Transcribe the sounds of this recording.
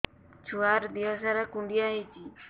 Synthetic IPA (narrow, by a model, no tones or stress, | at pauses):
t͡ʃʊaɾd̪iasaɾakʊnd̪jajt͡ʃɪ